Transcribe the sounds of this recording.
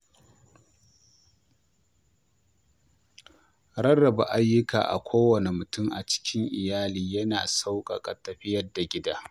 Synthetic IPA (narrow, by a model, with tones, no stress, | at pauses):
ɾɐ˦rːɐ˨ba̰˨ʔa˦jːʊ˦ka̰ː˨ʔa̰˨kʷʰoː˦wɐ˨ne˨mʊ˨tʊ˦ŋʔa˨t͡ʃɪ̥˦kʲʰɪ˦ŋʔɪ˨jaː˦liː˨jɐ˦naː˨sa˦wkʼɐ̰˨kʼɐ̰˨tɐ˨ɸɪ˦jɐ˦rda˨ɡʲɪ˦daː˦